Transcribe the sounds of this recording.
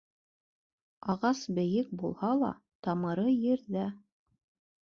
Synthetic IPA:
ɑʁɑsbɘ̆jɘk̚bulˠhɑlˠɑ̰ | t̪ɑmɤ̆ɾɤjɘ̆ɾðæ

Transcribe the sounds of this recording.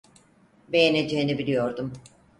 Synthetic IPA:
be̞jene̞d͡ʒe̞jinibilʲijo̞ɾd̪um

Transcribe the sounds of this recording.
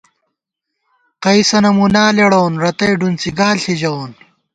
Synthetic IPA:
qɐisɐnɐmunaːleɽoːnɾɐt̪ɐjɖunt͡siɡaːlɬid͡ʑɐwn

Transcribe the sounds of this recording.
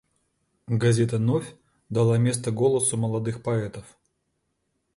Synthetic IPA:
ɡɐzʲet̪ənofʲ | d̪ɐlˠamʲe̞s̬t̪əɡolˠəsʊməlˠɐd̪ɨxpɐɛt̪əf

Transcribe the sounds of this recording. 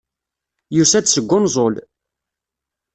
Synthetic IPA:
jusæd̪səɡʷːʊnzˤol

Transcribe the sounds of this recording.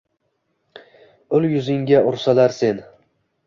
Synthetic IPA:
ʊljʊzɪŋɡʲaʔʊɾsalaɾse̞n

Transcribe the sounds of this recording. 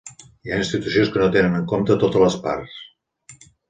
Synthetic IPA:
iainst̪it̪usionskənot̪enənəŋkomt̪ət̪ot̪ələspa̰rs

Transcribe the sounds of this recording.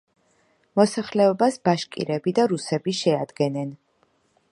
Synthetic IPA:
mɔsaχlɛɔbasbaʃkʼḭɾɛbid̪aɾusɛbiʃɛad̪ɡɛnɛn

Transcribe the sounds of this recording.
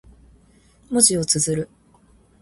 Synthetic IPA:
moʑio̞t͡sɨzɨɾɯ̟

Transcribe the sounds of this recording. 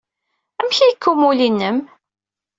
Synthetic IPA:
æmçijəkʰːumulinːəm

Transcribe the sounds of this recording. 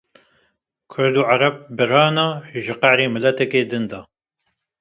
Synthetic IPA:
kʰʊɾd̪uːʕaɾɑb̚bɨɾɑːnɑːʒɨqæʕɾiːmɨlɛt̪ɛkeːd̪ɨnd̪ɑː

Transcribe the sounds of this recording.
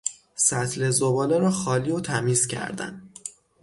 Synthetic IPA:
sæt̪ʰlezobɒːleɾɒːxɒːliːot̪ʰæmiːz̥cʰæ̰ɾd̪æ̰n

